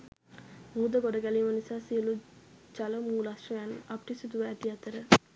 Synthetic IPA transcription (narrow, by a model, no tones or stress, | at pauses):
muːd̪əɡoɖəɡæliːmənisaːsiəlut͡ʃaləmuːlasʂojanʔapəʈisud̪uʋəːt̪iat̪əɾə